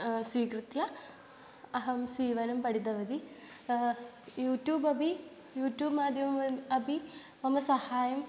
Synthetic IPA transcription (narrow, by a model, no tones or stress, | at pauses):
sʋiːkɾɨt̪jɐ | ɐɦɐmsiːʋɐlɐmpɐɽid̪ɐʋɐd̪i | juːʈjuːbɐbʱi | juːʈjuːbmaːd̪ʱjɐmmɐɐbʱi | ʋɐmɐsɐhaːjɐm